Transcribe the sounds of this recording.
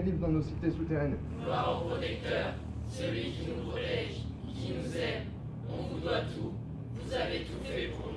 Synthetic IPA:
t̪ivd̪ɑ̃nosit̪esut̪eʁɛn | laʁɔ̃pχɔt̪ɛk̚t̪œʁ | selikinukɔlɛʒ | kinuzɛ | ɔ̃vud̪wat̪u | vuzavet̪ut̪epu

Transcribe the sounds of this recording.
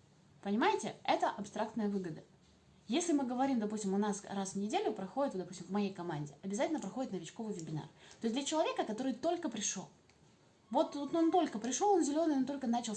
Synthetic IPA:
pənʲɪmajɪtʲɪ̰ɛt̪əʔɐpst̪ɾakt̪nəjəvɨɡəd̪ə | jesʲlʲɪmɨɡəvɐɾʲimd̪ɐpusʲtʲɪmʊnasrasvnʲɪdʲelʲʊpɾɐxo̞dʲɪt̪vd̪ɐpu̥sʲtʲɪmvmɐjejkɐmanʲdʲɪɐbʲɪzatʲɪlʲnəpɾɐxodɪt̪nəvʲɪt͡ɕko̞vɨjvʲɪbʲɪna̰rt̪oɪsʲd̪lʲət͡ɕɪlˠɐvʲe̞kəkɐt̪o̞ɾɨjt̪o̞lʲkəpɾʲɪʂo̰lˠ | vo̞t̪ut̪ont̪o̞lʲkəpɾʲɪʂoonzʲɪlʲo̞nɨjont̪o̞lʲkənat͡ɕɪlˠ

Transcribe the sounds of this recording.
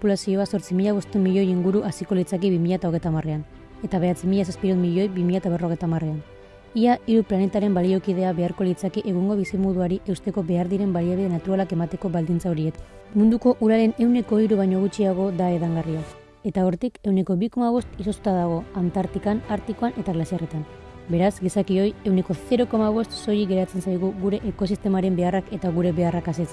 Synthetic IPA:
populasio̞aso̞ɾt͡simiʎaβo̞st̪emiʎo̞jiŋɡuɾuʔasiko̞lit͡sakiβimiʎat̪ao̞ɣe̞jt̪amare̞an | e̞t̪aβe̞at͡simiʎas̬aspiɾumiʎo̞jbimiʎat̪aβ̞e̞ro̞ɣ̞ejt̪amare̞an | iaiɾuplane̞t̪aɾe̞mbalio̞kið̞e̞aβe̞aɾko̞lit͡sakiʔe̞ɣuŋɡo̞βisimoðuaɾiʔe̞wst̪e̞ko̞be̞aɾðiɾe̞mbaliaβiðe̞nat̪uɾalake̞mat̪e̞ko̞βald̪int͡saoɾie̞t̪ | mund̪uko̞ʔuɾale̞ne̞wne̞ko̞iɾuβajɲo̞ɣ̞ut͡ʃiaɣ̞o̞ðae̞ðaŋɡariak | e̞t̪ao̞ɾt̪ike̞wne̞ko̞βiko̞maβo̞st̪iso̞st̪u̥t̪aðaɣ̞o̞ant̪aɾt̪ikanaɾt̪iko̞anʔe̞t̪aɣlasiaret̪an | be̞ɾazɡisakio̞je̞wne̞ko̞θe̞ɾo̞ko̞maβ̞o̞st̪so̞jiɣe̞ɾat͡se̞nsajɣ̞uɣuɾe̞ʔeko̞sist̪e̞maɾe̞mbe̞arake̞t̪aɣuɾe̞βe̞arakaset͡s

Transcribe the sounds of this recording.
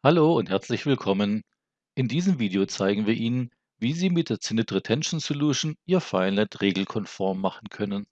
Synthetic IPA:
haloːʊnthɛɐt͡slɪçv̥ɪlkʰɔmən | ʔɪndiːzəmviːdeot͡saɪɡŋ̩viːɐʔiːnən | viːziːmɪt̚d̥eːɐt͡sɪnɪtʁətʰɛnʃn̩soluːʃnʔiːɐfaɪnɛtʁeːɡl̩kʰɔnfɔɐmːaχn̩kʰœnən

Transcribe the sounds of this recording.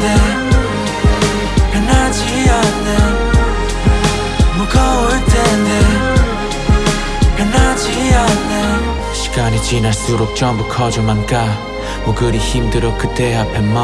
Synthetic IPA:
ne | enat͡ɕʰijane | mukʰʌɯtene | enat͡ɕijane | ɕʰi̥ɡ̥aɲit͡ɕinaɭs͈uɾok̚t͡ɕʌmbukʰʌd͡ʑomanka | moɡɯɾiçimdɯɾokɯt͈ːeapʰemːa

